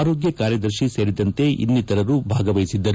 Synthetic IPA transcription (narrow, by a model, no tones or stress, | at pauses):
ɾoːɡjɐkaːɾjɐd̪ɐɾʃise̞ːɾid̪ɐnt̪e̞ʔḭnːit̪ɐɾɐɾubʱaːɡɐʋɐjisid̪ːɐɾu